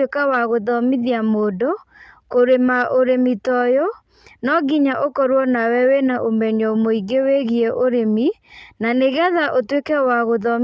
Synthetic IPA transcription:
ekawaɣoðɔmiðjamodokoɾemaoɾemitɔjɔ | nɔɡiɲaʔokɔɾwɔnawɛwenaʔomɛɲɔomoiɡeweɣiɛʔoɾeminaneɣaðaʔotwekɛwaɣoðɔm

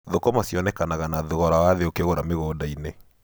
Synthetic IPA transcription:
ðokɔmasjɔnɛkanaɣanaðoɣɔɾawaðeokeɣoɾameɣoːdaine

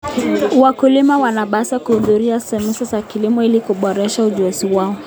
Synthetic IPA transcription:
wakulimawanaɓasakuhuðuɾiasɛmusazakilimɔilikuɓɔɾɛʃauʄuɛsiwaɔ

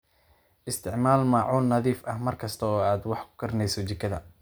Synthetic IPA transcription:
ʔɪst̪ʰɪʕmaːlmɑʕuːlnɐðiːfʔɐhmɐrkʰɐst̪ʰɐɔːaːd̪wɑħkʰʊ̥kʰɐɾnɛjsɔt͡ʃɪkʰɐðɐ

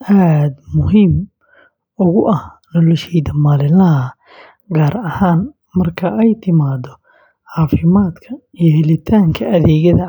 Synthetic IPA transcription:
ʔaːd̪mʊɦiːm | ʔʊɣʊʔɐh | nɔlɔʃɛjd̪ɐmaːlɪlɐɦɐ | ɡaːrɐhaːn | mɐrkʰɐʔɛjt̪ʰɪmaːd̪ɔ | ħɑːfɪmaːd̪kʰɐ | ijɔhɛlɪt̪ʰaːŋkʰɐʔɐðɛːɣɐðɐ

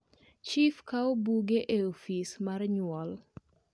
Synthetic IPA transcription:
t͡ʃifkaobuɡeʔeofismarɲwɔl

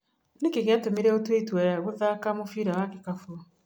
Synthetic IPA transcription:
nekeɣeatomeɾɛotwetwɛɣoðakamofiːɾawakekafu

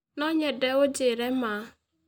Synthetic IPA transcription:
noɲedeod͡ʒeɾema

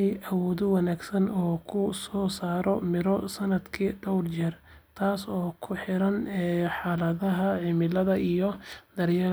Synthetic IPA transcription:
jʔɐwɔːðɔwɑnaːɡsɐnɔːkʰʊsɔːsaːɾɔmɪɾɔsɐnɐd̪kʰiːɖ̪ɔwrt͡ʃɛːr | t̪ʰaːsɔːkʰʊħɪɾɐnɛħɑːlɐðɐɦɐʕɪmɪlɐðɐʔijɔd̪ɐɾja

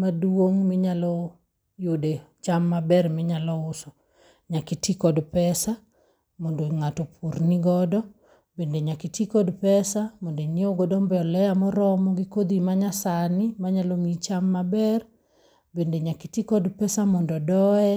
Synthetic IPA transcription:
madwoŋmɪɲalɔ | jodet͡ʃamːabɛrmɪɲalɔʊsɔ | ɲakitikɔdpɛsa | mɔndoŋatɔpʰurniɡɔdɔ | bendeɲakitikɔdpɛsamɔndoɲeoɡɔdɔmbɛɔlɛjamɔɾɔmɔɡɪkod̪imaɲasanɪmaɲalɔmit͡ʃamːabɛr | bendeɲakitikɔdpɛsamɔndɔdɔɛ

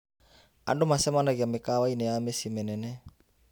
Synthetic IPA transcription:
a̰ndomasemanaɡiamekawaineamesimenene

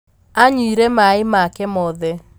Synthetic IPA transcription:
aɲuiɾɛmaɪmakɛmɔðɛ

